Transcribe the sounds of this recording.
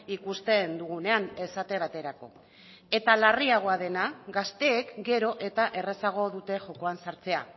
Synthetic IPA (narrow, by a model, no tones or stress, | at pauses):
ikust̪e̞nd̪uɣune̞ane̞sat̪e̞β̞at̪e̞ɾako̞̰ | e̞t̪alariaɣ̞o̞aðe̞naɡast̪e̞ːkɡe̞ɾo̞ʔe̞t̪aʔe̞re̞saɣ̞o̞ðut̪e̞ʝo̞ko̞ansaɾt͡se̞a̰